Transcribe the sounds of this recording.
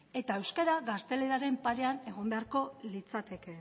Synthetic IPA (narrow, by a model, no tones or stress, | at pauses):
e̞t̪aewskeɾaɣast̪e̞le̞ɾaɾe̞mpaɾe̞ane̞ɣ̞o̞nd̪eaɾko̞lit͡sat̪e̞ke̞